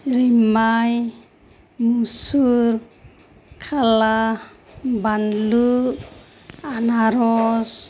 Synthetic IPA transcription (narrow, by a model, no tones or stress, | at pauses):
ɾimaj | musuɾ | kʰala | banlu | anaɾɔs